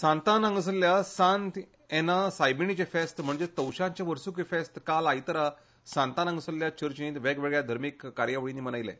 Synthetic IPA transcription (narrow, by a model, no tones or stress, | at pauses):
sãnt̪anãŋɡəs̬əlːjasãnt̪ | enasajbinit͡ɕefest̪m̤əɳd͡zet̪əwɕãɲt͡ɕjaʋəɾsukefest̪kalajt̪əɾa | sãnt̪anãŋɡəsəlːjat͡ɕəɾt͡ɕĩt̪ʋeɡʋeɡəɭjad̪ʱəɾmikːaɾjaʋəɭinːiːmənajlḛ